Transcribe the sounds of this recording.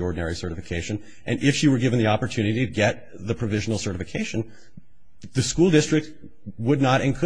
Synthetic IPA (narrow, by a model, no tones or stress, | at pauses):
ɔɹdⁿn̩ɛɹisɜ˞ɾɨfɨkʰeɪʃɨ̃n | ʔɨ̃nʔɪfʃiwə˞ɡɪvɨ̃n̩ðiɑpə˞tʰʉnɨɾiɾɨɡɛt̪̚ | ðɨpʰɹ̥ɨvɪʒn̩l̩ˠsɜ˞ɾɨfɨkʰeɪʃɨ̃n̩ | ðɨskulˠdɪstɹ̥ɨk̚t̚ | wədⁿnəɾɨ̃nkʰɨ